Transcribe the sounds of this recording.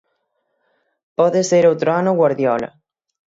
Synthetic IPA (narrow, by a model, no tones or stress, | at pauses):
pɔðɪseɾowt̪ɾoanʊɣwaɾðjɔlɐ̰